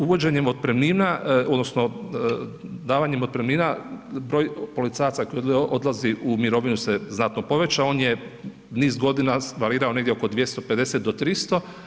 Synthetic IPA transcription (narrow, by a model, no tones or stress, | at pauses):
uʋo̞d͡ʑe̞ɲemo̞d̪̚pɾemniːnaod̪no̞sno̞ | d̪aːʋaɲemo̞t̪̚pɾemniːnabɾo̞ːjpo̞lit̪saːjat̪sako̞jod̪laziʔumiɾo̞ʋinuseznat̪no̞po̞ʋe̞t͡ɕao̞ːnje | niːzɡo̞d̪inaʋaɾiːɾao̞neɡd̪jeo̞kod̪ʋje̞st̪o̞pe̞d̪e̞set̪̚d̪ot̪ɾist̪o̞